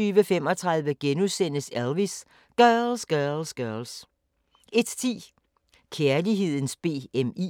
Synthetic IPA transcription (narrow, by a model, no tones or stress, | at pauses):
yːʋəfem̰ɒ̽t͡sʰʁɑ̈ð̞ˠʋəɡ̥enuðˠsen̰əsælʋis | ɡ̥ɶːlsɡ̥ɶɐlsɡ̥ɶɐls | ʔe̝d̥t͡sʰḭː | kʰeɐliɦe̝ð̞̰ˠn̩sb̥e̝̰ːemi